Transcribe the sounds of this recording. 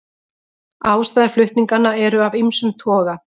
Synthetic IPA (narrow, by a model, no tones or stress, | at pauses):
aːwst̪aːðaɾflʏht̪niŋkanːaɛɾʏavimsʏmt̪ʰɔːɣa